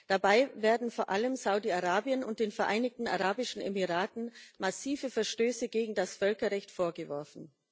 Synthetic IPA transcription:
d̥abaɪveːɐdn̩foːɐʔaləmzaʊdiaʁaːbiənʊnt̚d̥eːnfɛɐʔaɪnɪç̚tn̩a̰ʁaːbɪʃn̩ɛ̰miʁaːtn̩masiːvəfɛɐʃtøːsəɡeːɡŋ̩dasfœlkɐʁɛçtfoːɐɡəvɔɐfn̩

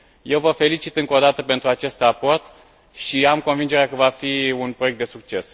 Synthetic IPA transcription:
je̞wvəfe̞lit͡ʃit̪ɨŋko̞d̪at̪əpe̞nt̪ɾuat͡ʃe̞st̪rapo̞rt̪ | ʃiamko̞nvind͡ʒeɾeakəvafiunpɾo̞ek̚t̪d̪e̞suk̚t͡ʃe̞s

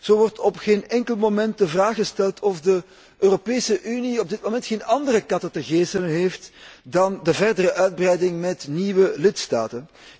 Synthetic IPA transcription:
z̥oːʋɔrtɔpxeːnɛŋkəlˠmomɛnt̚dəvraːxɣəstɛlˠtʰɔfdə | ʔøːropeːsəʔyniɔb̚dɪt̚momɛntxeːnɑndərəkɑtətəɣeːsələnɦeːftdɑndəvɛrdərəʔœɥd̚brɛjdɪŋmɛtniwəlɪtsta̰ːtən

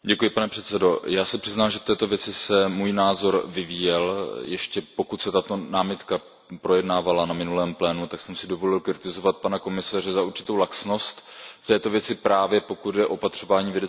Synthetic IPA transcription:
ɟɛkujɪpanɛpr̥ɛt̪t͡sɛdo̞jaːsɛpr̥ɪznaːmʒɛft̪ɛːt̪o̞vjɛt͡sɪsɛmuːjnaːzo̞ɾvɪviːjɛljɛʃcɛpo̞kut̪sɛt̪at̪o̞naːmɪt̪ka | pɾo̞jɛdnaːvalanamɪnulɛːmplɛːnut̪aksɛmsɪdo̞vo̞lɪlkɾɪt̪ɪzo̞vat̪̚panako̞mɪsaːrɛzauɾt͡ʃɪ̥t̪o̞wlaksno̞st̪ft̪ɛːt̪o̞vjɛt͡sɪpɾaːvjɛpo̞kud̪dɛʔo̞pat̪r̝̥o̞vaːɲiːvjɛdɛ

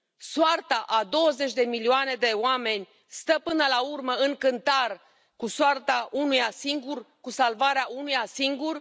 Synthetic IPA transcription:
soart̪aʔad̪o̞wəze̞t͡ʃʲd̪e̞milioane̞d̪e̞oame̞nʲ | st̪əpɨnəlaurməɨŋkɨnt̪ar | kusart̪aʔunujasiŋɡurkusalvaɾeaʔunujasiŋɡur

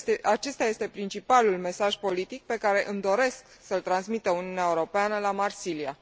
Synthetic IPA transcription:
t̪eʔat͡ʃe̞st̪aje̞st̪e̞pɾint͡ʃipalulme̞saʒpo̞lit̪ik̚pe̞kaɾe̞ʔɨmd̪o̞ɾe̞sk | səlt̪ɾansmit̪əuniuneaeuɾo̞peanəlamarsilia

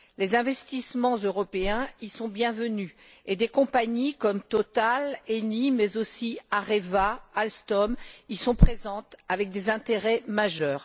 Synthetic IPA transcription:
lezɛ̃vɛst̪ismɑ̃zøʁɔpeɛ̃isɔ̃bjɛ̃vəny | ed̪ekɔ̃paɲikɔmt̪ɔt̪alenimɛzosiaʁevaːlst̪ɔmisɔ̃pχezɑ̃t̪avɛk̚d̪ezɛ̃t̪eʁɛmaʒœːʁ

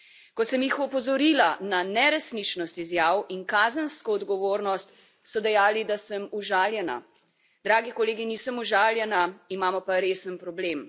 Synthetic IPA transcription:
kɔsəmjixɔpɔzɔɾiːlananɛɾɛsnit͡ʃnɔst̪izjaːwinkaːzənskɔːd̪ɡɔʋoːɾnɔst̪ | sɔd̪ɛjaːlid̪asəmuʒaːljɛna̰ | d̪ɾaːɡikɔleːɡinisəmuʒaːljɛnaimaːmɔpaɾeːsənpɾɔbleːm

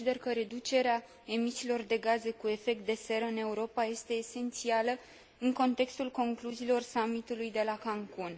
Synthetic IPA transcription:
id̪e̞rkəɾe̞d̪ut͡ʃe̞ɾea | e̞misiːlo̞rd̪e̞ɡaze̞kue̞fe̞k̚t̪̚d̪e̞se̞ɾəɨne̞uɾo̞paje̞st̪e̞ːse̞nt̪sialə | ɨŋko̞nt̪e̞kst̪ulko̞ŋkluziːlo̞rsamit̪ulujd̪e̞lakaŋkun

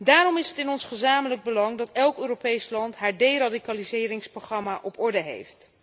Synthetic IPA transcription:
daːɾɔmɪsɦətɪnɔnsχəzaːmələɡ̚bəlɑŋdɑtɛlˠkøːropejslɑntɦaːɹdejradikalizɪːɾɪŋsproχrɑmaʔɔpɔɹdəɦḛjft

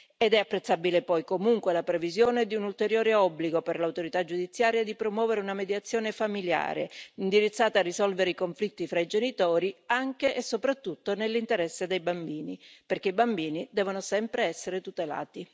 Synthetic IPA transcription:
ed̪ɛapːɾet̪sːabilepɔjkomuŋkwelapɾevizjoːned̪iunult̪eɾjoːɾeɔbːliɡoperlawt̪oɾit̪ad͡ʒːud̪it̪sːjaːɾjad̪ipɾomwɔːveɾeunamed̪jat̪sːjoːnefamilja̰ːɾḛind̪iɾit̪sːaːt̪aːrːizɔlveɾeikoɱflit̪ːifɾaid͡ʒenit̪oːɾiaŋk̟eʔesːopɾat̪ːut̪ːonelːint̪eɾɛsːed̪ejbambiːniperk̟eibambiːnid̪ɛːvonosɛmpɾeɛsːeɾet̪ut̪ela̰ːt̪i

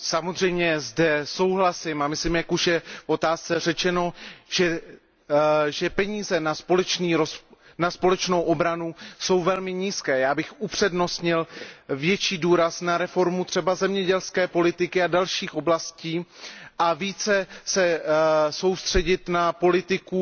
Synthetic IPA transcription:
samozr̝ɛjmɲɛzdɛso̞wɦlasɪmamɪslimjakuʃjɛfo̞t̪aːst͡sɛr̝ɛt͡ʃɛno̞ʒ̥ɛ | ʒɛpɛɲiːzɛnaplt͡ʃniːɾo | naspo̞lɛt͡ʃno̞wʔo̞bɾanuso̞wvɛlmɪɲiːskɛːjaːbɪxʔupr̝̥ɛdno̞st̪ɲɪlvjɛt͡ʃiːduːɾasnaɾɛfo̞ɾmut̪r̝̥ɛbazɛmɲɛɟɛlskɛːpo̞lɪt̪ɪkɪadalʃiːxo̞blasciːʔaviːt͡sɛsɛso̞wst̪r̝̥ɛɟɪt̪napo̞lɪt̪ɪku

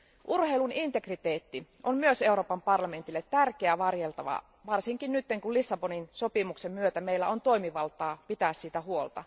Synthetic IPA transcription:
ʔurheilunint̪e̞krit̪eːt̪ːi | ommyøse̞uɾo̞ːpɑmpɑrlɑme̞nt̪ilːet̪ːærkeæʋɑrjelt̪ɑʋɑ̰ | ʋɑrsiŋkinnyt̪ːeŋkullisːɑboninsopimuksemmyøt̪æmeilːæont̪oimiʋɑlt̪ˑɑːpit̪æːssit̪æhuolt̪ɑ̰

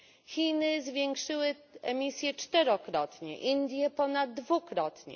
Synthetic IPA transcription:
xʲinɘzvʲjɛŋkʂɘwɘɛmʲisʲjɛt͡ʂt̪ɛɾɔkɾɔt̪ɲɛ̰ʔind̪ʲjɛpɔnad̪ːvukɾɔt̪ɲɛ̰

